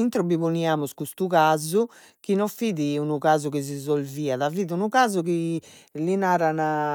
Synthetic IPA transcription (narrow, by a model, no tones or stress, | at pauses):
int̪ɾɔbiβuniaːmuskust̪uɣaːzu | k̟inɔfiðiunuɣaːzuɣizizolviːaðaviːðiunuɣaːzuki | linaːɾana